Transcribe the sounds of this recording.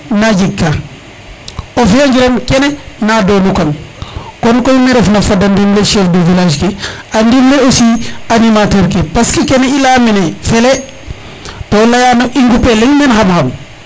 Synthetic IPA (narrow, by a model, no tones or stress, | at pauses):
nad͡ʒikːa | ofjaɲd͡ʒiɾemkenenadonukaŋkonkojmiɾefnafadandimleʃɛfdəvilaʃkeandimleosianimateɾkepaskikeneilaminefele | tolajanoʔiŋɡupeliŋmenhamham